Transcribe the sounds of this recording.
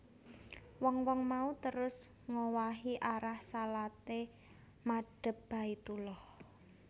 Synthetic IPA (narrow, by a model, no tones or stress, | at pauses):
wɔŋwɔŋmaut̪əɾʊs | ŋowaɦiʔaɾahsalat̪e | maɖ̥ə̤p̚b̥a̤it̪ulɔh